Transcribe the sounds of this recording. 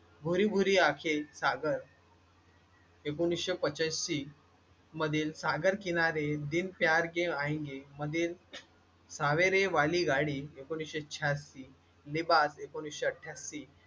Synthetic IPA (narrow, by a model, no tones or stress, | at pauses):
bʱuɾibʱuɾiːakʰesaɡəɾ | ekonikɕepət͡ɕasɕi | məd̪ʱiːlsaɡəɾkinaɾed̪inpjaɾɡeaĩŋɡeməd̪ʱiːl | saʋeɾeʋaliɡaɽiekonikɕet͡ɕʰasːi | libasekonikɕeəʈʰːjasːi